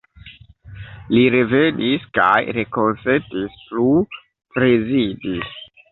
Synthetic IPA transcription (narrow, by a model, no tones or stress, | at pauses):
liɾevenʔiska̰jɾeko̞nsetisplu | pɾezidi